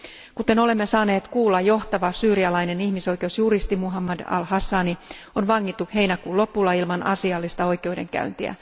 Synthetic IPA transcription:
kut̪e̞no̞le̞mːe̞sɑːne̞ːt̪kuːlːɑjjo̞ht̪ɑʋɑsyːɾiɑlɑjne̞nihmiso̞jke̞usjuɾist̪imuɦɑmːɑdɑ̰lhɑsːɑːni | onʋɑŋːit̪ːuhe̞jnækuːlo̞pːulːɑilmɑnɑ̰siɑlːist̪ɑo̞jkewjde̞ŋkæ̰ynt̪iæ̰

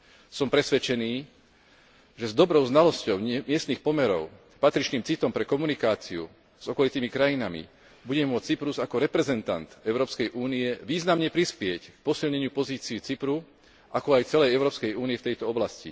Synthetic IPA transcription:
sɔmpɾɛsʋɛt͡ʃɛniː | ʒɛzd̪ɔbɾɔʊznalɔscɔʊɲmɪɛst̪nixpɔmɛɾɔʊ | pat̪ɾit͡ʃniːmt͡sit̪ɔmpɾɛkɔmunikaːt͡siṵ | z̥ɔkɔlit̪iːmikɾajinamḭ | buɟɛmʊɔt͡st͡sipɾuzakɔɾɛpɾɛzɛnt̪a̰nt̪ɛʊɾɔːpskɛjʔuːniɛʋiːznamɲɛpɾispɪɛck̚pɔsilɲɛɲɪupɔziːt͡siːt͡sipɾu | ʔakɔajt͡sɛlɛjɛʊɾɔːpskɛjuːniɛft̪ɛjt̪ɔɔblascḭ

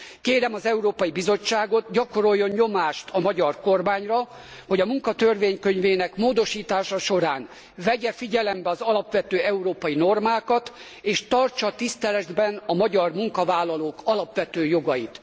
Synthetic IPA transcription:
keːɾɛmɒzɛuɾoːpɒjibizo̞t͡ʃːaːɡo̞t̪ɟɒko̞ɾo̞jːonɲo̞maːʃt̪ʰɒmɒɟɒrko̞rmaːɲrɒ | ho̞ɟɒmuŋkɒt̪ørveːɲkø̞ɲveːnɛkmoːd̪o̞ʃiːt̪aːʃɒʃo̞ɾaːn | vɛɟɛfiɟɛlɛmbɛɒzɒlɒpʋɛt̪øːɛuɾoːpɒjino̞rmaːkɒt̪ | eːʃt̪ɒrt͡ʃɒt̪ist̪ɛlɛd̪bɛnɒmɒɟɒrmuŋkɒvaːlːɒloːkɒlɒpʋɛt̪øːjo̞ɡɒjit̪

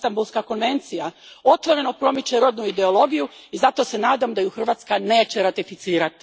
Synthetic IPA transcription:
t̪ambulˠskako̞nʋe̞nt̪sijao̞t̪ʋo̞ɾe̞no̞pɾo̞mit͡ʃeɾo̞d̪nuid̪e̞o̞lˠo̞ɡijuizat̪o̞se̞naːd̪amd̪ajuxr̩ʋaːt̪skane̞ːt͡ɕe̞ɾat̪ifit̪siːɾat̪

